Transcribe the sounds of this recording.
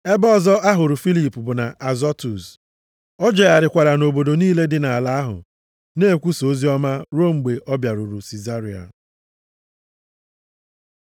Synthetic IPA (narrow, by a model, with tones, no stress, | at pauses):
e˦bɔ˦˨zɔ˦ʔa˦ɦʊ˨ɾʊ˨fi˦li˨pu˨bʊ˨na˨ʔa˨zɔ˦tu˨s | ɔ˦d͡ʒɔ˨ja˨ɾɪ˨kʷa˨ɾa˨no˨bo˨do˨niː˦le˦dɪ˨na˨la˦a˦ɦʊ̰˨ | ne˦e˦˨kʷu˦so˨˦zi˦ɔ˦ma˦ɾo˦ŋ͡m̩˨ɡ͡be˨ʔɔ˦bja˨ɾʊ˨ɾʊ˨si˨za˦ɾi˨a̰˨